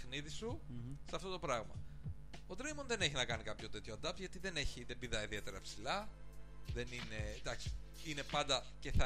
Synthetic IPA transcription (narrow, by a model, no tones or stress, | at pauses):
xniðisuseɐft̪o̞t̪opɾɐɣmɐ̰ | od̪ɾejmo̞nðe̞ne̞çinɐkɐnikɐpço̞t̪e̞t̪çoɐnd̪ɐpt̪ʝɐt̪iðe̞ne̞çiðebiðɐiðie̞t̪e̞ɾɐepsilɐ | ðe̞nine̞d̪ɐksi̥ | ine̞pɐnd̪ɐ | ce̞θɐ